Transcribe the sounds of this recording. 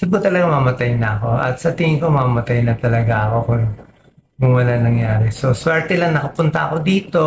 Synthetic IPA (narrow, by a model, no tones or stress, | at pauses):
ɪkʊt̪ɐlɐɡamamɐt̪ajnɐɐko̞ʔɐ̰t̪̚sɐt̪ɪŋɪŋkomamɐt̪ajnɐt̪ɐlɐɡaʔɐko̞kʊŋ | kʊŋwɐlanɐŋjaːɾɛso̞swɛɹt̪ɛlɐŋnɐkɐpʊnt̪ɐʔɐko̞d̪iːt̪o̞